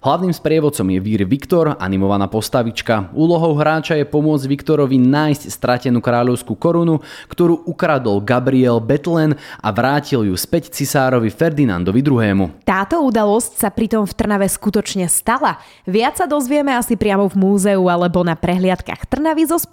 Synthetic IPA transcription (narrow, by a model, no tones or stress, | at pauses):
ɦlaʊniːmspɾɪɛʋɔt̪t͡sɔmjɛʋiːɾʋikt̪ɔɾa̰nimɔʋanaːpɔst̪aʋit͡ʃkauːlɔɦɔʊɦɾaːt͡ʃajɛpɔmʊɔd͡zɟʋikt̪ɔɾɔʋinaːjscst̪ɾacɛnuːkɾaːʎɔʊskukɔɾunukt̪ɔɾuːʔukɾad̪ɔlɡabɾiɛlbɛt̪lɛna̰ʋɾaːciljuspɛct͡sisaːɾɔʋifɛɾd̪ina̰nd̪ɔʋid̪ɾuɦɛːmṵt̪aːt̪ɔud̪alɔscsapɾit̪ɔmft̪r̩naʋɛskut̪ɔt͡ʃɲɛst̪ala | ʋɪat͡ssad̪ɔzʋɪɛmɛasipɾɪamɔvmuːzɛualɛbɔnapɾɛɦlɪat̪ka̰xt̪r̩naʋizɔsp